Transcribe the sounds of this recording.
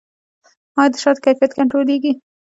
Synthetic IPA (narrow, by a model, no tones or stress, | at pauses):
mɑjd̪əʃɑd̪̚kajfjat̪kaɳʈɾoleɡi